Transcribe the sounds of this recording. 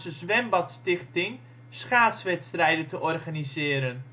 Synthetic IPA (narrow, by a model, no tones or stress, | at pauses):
səzʋɛmbɑtstɪχtɪŋ | sχaːtsʋɛtstrɛjdəntəʔɔrχaːnizɪːɾən